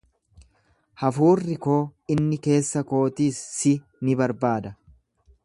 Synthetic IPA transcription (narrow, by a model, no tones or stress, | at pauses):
hɐfuːrːɪko̞ːɪnːɪke̞ːsːɐko̞ːt̪iːsːɪ | nɪbɐɾbaːd̪ɐ